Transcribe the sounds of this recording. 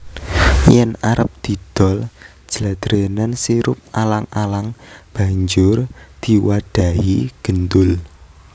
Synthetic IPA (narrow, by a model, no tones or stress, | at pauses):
jɛnaɾəp̚d̪̥i̤d̪̥ɔ̤l̥ | d͡ʒ̥əlad̪̥ɾenansiɾʊ̰p̚alaŋalaŋb̥a̤ɲd͡ʒʊrd̪̥i̤waɖ̪̥a̤ɦiɡ̥ənd̪ʊl